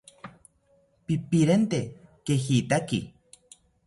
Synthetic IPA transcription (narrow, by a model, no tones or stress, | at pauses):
pipiɾent̪ekehiːt̪akḭ